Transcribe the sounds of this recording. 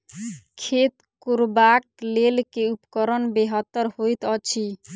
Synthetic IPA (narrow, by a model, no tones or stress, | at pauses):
kʰet̪ | kuɾbak̚lelkeupkɔɾɔnbeɦɔt̪ːɔɾhojt̪ɔt͡ʃʰi